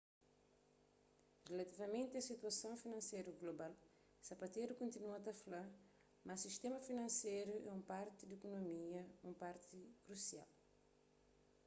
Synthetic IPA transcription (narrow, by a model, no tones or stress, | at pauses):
relɐt̪ivɐmẽnt̪ɪɐsit̪uɐsɐ̃w̃finɐ̃nsejɾuɡlobal | sɐpɐt̪eɾukõnt̪inuɐt̪ɐfla | mɐsiʃt̪emɐfinɐ̃nsejɾuʔɛ̰ũmpaɾt̪id̪ekonomiɐũmpaɾt̪ikɾusia̰l